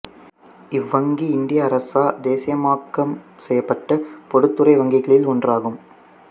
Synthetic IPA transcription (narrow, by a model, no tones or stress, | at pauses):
ɪʋːɐŋɡiɪnd̪ɪjɐːɾɐsaːd̪eːsɪjɐmaːkːɐm | sɛjːɐpːɐʈːɐpɔɽɯt̪ːɯɾɐɪʋɐŋɡɪɣɐɭɪlɔndraːɣɯm